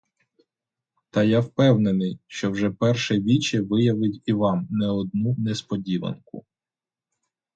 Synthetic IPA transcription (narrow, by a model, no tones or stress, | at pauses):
t̪ɐjawpɛwnenɪjʃt͡ʃɔwʒɛpɛrʃɛʋʲit͡ʃɛʋɪjɐʋɪtʲiʋɑmnɛɔd̪̚nunɛspɔdʲiʋɐ̰nkʊ̰